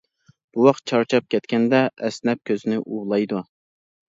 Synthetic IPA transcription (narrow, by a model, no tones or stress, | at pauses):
b̥uwɑqt̪̚t͡ʃʰɑɾt͡ʃʰɑp̚kʲʰɛt̪kʲɛnd̪ɛʔɛsnɛp̚kʲʰøzɪnɪʔuːlˠɑjd̪u